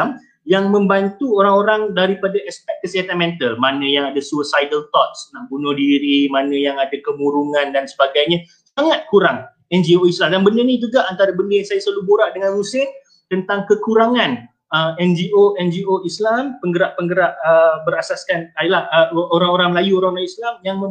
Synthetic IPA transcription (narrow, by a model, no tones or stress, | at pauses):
m | jaŋmə̃mbant̪uoɾaŋoɾaŋdaɾipadaɛspɛk̚kəsəɦat̪anmɛ̃nt̪əlmanə̃jaŋadasuəsajdəlt̪ɔt̪̚snaʔbunʊhdiɾimanə̃jaŋadakəmuɾuŋãndansə̥baɡajɲã | saŋat̪̚kuɾaŋ | ɛnd͡ʒioislamdanbəndənĩd͡ʒuɡaʔant̪aɾabəndəjsajasaluboɾaʔdəŋãnrusɪn | t̪ənt̪aŋkəkuɾaŋãn | əɛnd͡ʒiʔoɛnd͡ʒioislampəŋɡəɾaʔpəŋɡəɾaʔəbəɾasaskanadəlahəoɾaŋoɾaŋməlajuoɾaŋoɾaŋislamjaŋmə